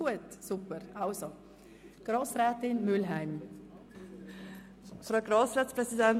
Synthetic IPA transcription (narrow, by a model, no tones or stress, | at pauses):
uətsupəɾʔaʊso | ɡ̥rɑːsɾɛːtɪnmʏlɦæɪm | fɾaʊɡɾɑːsʁɛːtspɾɛsidɛn